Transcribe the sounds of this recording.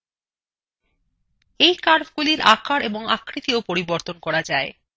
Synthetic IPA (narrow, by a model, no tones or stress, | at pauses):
ejkaɾbɡuliɾakaɾeboŋakʰɾit̪iopoɾiboɾt̪onkɔɾad͡ʑae